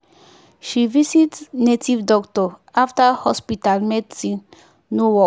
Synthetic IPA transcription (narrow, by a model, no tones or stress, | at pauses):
ʃivisitsnetivdɔktɔaftahɔspitalmɛdsĩn | nowɔ